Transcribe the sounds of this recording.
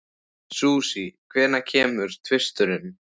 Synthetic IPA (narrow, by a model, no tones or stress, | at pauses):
suːsikʰvɛːɾnacʰɛːmʏɾ̥t̪ʰvɪst̪ʏɾʏm